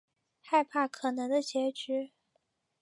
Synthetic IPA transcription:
xa˥˧ɪpʰa˥˩kʰɤ˨˩nɤ˧˥ŋd̪ə˧t͡ɕjɛ˧˥ʈ͡ʂy˧˥

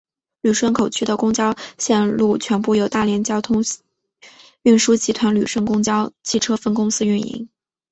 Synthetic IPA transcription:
ly˨˩ʂwə˥˩nkʰo˨˩ʊt͡ɕʰy˥d̪ə˨kʊ˥ŋt͡ɕjɑ˥ʊɕjɛ˥˧nlu˥˩t͡ɕʰɥɛ˧˥npu˥˩jo˨˩ʊt̪a˥˩ljɛ˧˥nt͡ɕjɑ˥ʊt̪ʰʊ˥ŋ | y˥˩nʂu˥t͡ɕi˧˥t̪ʰwa˧˥nly˨˩ʂwə˥˩nkʊ˥ŋt͡ɕjɑ˥ʊt͡ɕʰi˥˩ʈ͡ʂʰɤ˥fə˥˧nkʊ˥ŋsɹ̩˥y˥˩nḭ˧˥ŋ

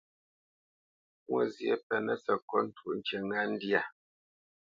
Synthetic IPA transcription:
kwɔ˦zje˦pɛ˨nə˦sə˨kɔ˦n̩˦tʰu˦˨ʔn̩˨t͡ʃe˨ŋa˦n̩˦di˦a˦˨

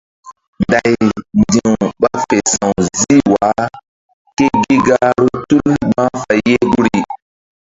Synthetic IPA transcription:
nda˨jndĩ˨wɓa˦fe˨sã˨wzi˦wa˨˦ | ke˦ɡi˦ɡa˦ɾu˦tu˦nɡ͡bã˦fa˨jje˦ɡu˦ɾi˨

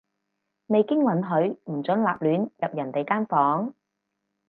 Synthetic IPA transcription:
me˨jkɪ˥ŋlɐ˨˥nɦɵ˨˧˥ɥm̩˨˩t͡sɵ˨˥nlaː˨p̚lyː˨˥njɐ˨p̚jɐ˨˩nt̪e˨jkaː˥nfɔː˨˥ŋ

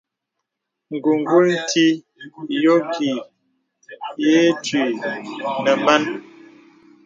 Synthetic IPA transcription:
ŋ̩˨ɡu˨ŋ˨ɡu˦ln̩˦ti˦ | jo˦kʰi˨ | je˦tɥi˨ | nə˨ma˦n

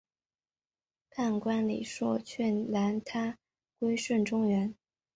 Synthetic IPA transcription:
kʰa˥˩nkwa˥nlḭ˨˩ʂwɔ˥˩t͡ɕʰɛ˥˩nla˧˥nt̪ʰa˥ | kwe˥ɪʂwə˥˩nʈ͡ʂʊ˥ŋɥɛ˧˥n

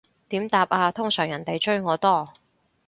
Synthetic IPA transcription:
t̪iː˨˥mt̪aː˨p̚aː˧t̪ʰʊ˥ŋsœː˨˩ŋjɐ˨˩nt̪e˨jt͡ʃɵ˥ɥŋɔː˨˧t̪ɔː˥˩

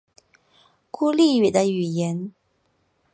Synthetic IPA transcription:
ku˥li˥˩y˨˩d̪ə˦y˨˩jɛ˧˥n

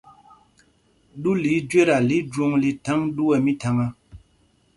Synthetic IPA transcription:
du˦li˨˦d͡ʒwe˦ɾa˨li˦d͡ʒwo˦ŋli˨ta˨˦ŋdu˦ɛ˨mi˦ta˨ŋa˦

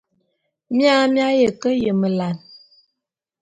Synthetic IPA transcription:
mja˦mja˦jə˨kə˦jə˨mə˨la˨n

